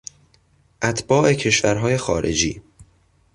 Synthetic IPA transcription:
ʔæt̪ʰb̥ɒːʔe̞cʰe̞ʃvæɾɦɒːje̞xɒːɾḛd͡ʒiː

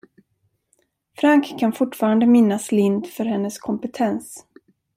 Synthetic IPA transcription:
fɾaŋkʰːanfʊʈːfɑːɾand̪əmɪnːaslɪnd̪fœɾhɛnːəskʰɔmpət̪ʰɛns

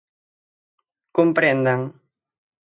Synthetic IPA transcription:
kumpɾɛnd̪aŋ

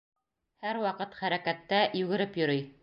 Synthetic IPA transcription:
hæɾwɑqɤt̪χæɾækæt̪ːæjʉɡɘ̆ɾɘpjɵ̆ɾɵj

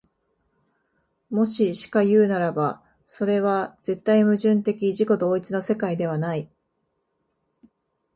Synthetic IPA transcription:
mo̞ɕiɕi̥kajɯ̟ːnaɾaba | so̞ɾe̞βaz̥e̞t̪ːaimɯ̟ʑɨ̃nt̪e̞kʲiʑiko̞d̪o̞ːit͡sɨno̞se̞kaid̪e̞β̞anai

